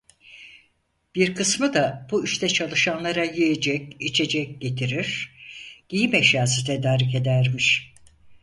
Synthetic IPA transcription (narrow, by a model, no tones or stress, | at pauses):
b̥iɾkʰɯsmɯd̪abuyʃt̪ʰɛt͡ʃʰalˠɯʃanlˠaɾajijed͡ʒɛcit͡ʃʰe̞d͡ʒɛc̚ɟe̞t̪ʰiɾiɾ̥ɟ̥ijimɛʃjaːs̬ɯt̪ʰed̪aːɾik̬e̞d̪æɾmiʃ